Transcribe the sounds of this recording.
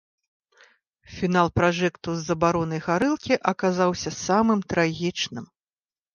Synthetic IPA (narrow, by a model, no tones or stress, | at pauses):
fʲinalˠpɾaʐɛkt̪uzːɐbaɾɔn̪ɐjɣaɾɨlˠkʲiʔɐkazawsʲɐsamɨmt̪ɾaɣʲit͡ʂnɨm